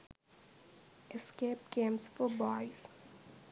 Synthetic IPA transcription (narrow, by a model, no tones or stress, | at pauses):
ɪskeːpkẽːmsfɔɾbɔɪz̥